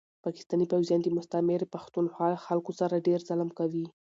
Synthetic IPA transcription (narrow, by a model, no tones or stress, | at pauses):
pɑkɪ̥st̪ɑnipawzjɑnd̪əmʊst̪amɪɾpaxt̪unxwɑaxalkosaɾaɖeɾzalamkawi